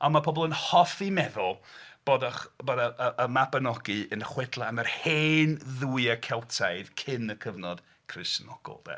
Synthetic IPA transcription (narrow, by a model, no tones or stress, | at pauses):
amapʰɔbɔlˠənhɔθimɛðʊlˠb̥oːdaχbɔdaəəmabənɔɡɨənəχwɛdlˠaamərheːnðuːjəkʰɛlˠtʰajðkʰɪnəkʰəvnɔd̥ | kʰrɪsnɔɡ̥ɔ̰lˠdɛ̰